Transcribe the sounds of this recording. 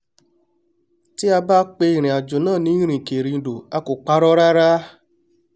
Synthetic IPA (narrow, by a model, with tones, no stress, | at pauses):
ti˦a˧ba˦k͡pe˧i˦˨ɾ̃ĩ˨a˨d͡ʒo˨nãː˦˨nĩ˦i˦ɾ̃ĩ˨ke˨ɾĩ˨˧˨do˨a˧ko˨k͡pa˧˦ɾɔ˦ɾa˦ɾa˦